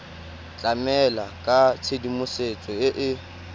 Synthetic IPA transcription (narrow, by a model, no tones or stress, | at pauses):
t͡ɬʼamɛlakʼat͡sʰedimʊset͡sʼɔɪʔɪ